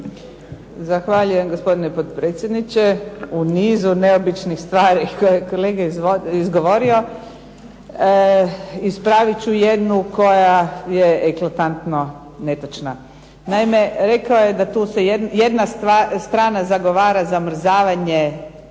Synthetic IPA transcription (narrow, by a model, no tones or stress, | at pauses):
zaxʋaʎuje̞mɡospo̞d̪inepot̪pɾet̪sje̞d̪nit͡ɕeuniːzune̞o̞bit͡ʃnixst̪ʋaːɾikojekole̞ːɡaizoizɡoʋo̞ɾio̞ | ispɾaʋit͡ɕuje̞d̪nuko̞jajeeklat̪ant̪no̞ | ne̞t̪at͡ʃna | naimeɾe̞kaojed̪at̪uːsejje̞d̪nast̪ʋast̪ɾaːnazaɡo̞ʋaːɾazamr̩zaːʋaɲe